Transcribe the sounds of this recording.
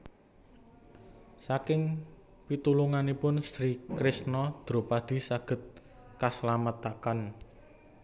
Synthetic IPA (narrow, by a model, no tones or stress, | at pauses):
sakɪŋ | pit̪uluŋanipʊnst̪ɾikɾɪsnɔd̪̥ɾo̤pad̪̥i̤saɡ̥ə̤t̪̚ | kaslamat̪akan